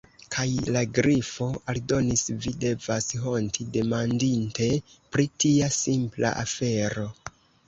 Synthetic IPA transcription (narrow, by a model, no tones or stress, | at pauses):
kʰajlaɡɾifo̞aldo̞nisvide̞vasɦo̞ntide̞mandinte̞pɾitiasimpla̰ʔafe̞ɾo̞